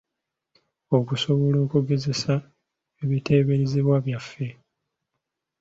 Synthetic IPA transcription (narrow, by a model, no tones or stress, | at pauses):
o̞kuso̞βo̞lo̞ːkuɡe̞ze̞sa | eβite̞ːβeɾiziβwaβjafːe̞